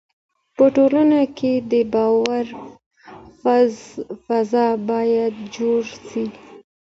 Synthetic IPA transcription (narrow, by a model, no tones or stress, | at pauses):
pəʈolanakʰed̪əbɑwaɾ | fzfazɑbɑjad̪d͡ʒoɾsi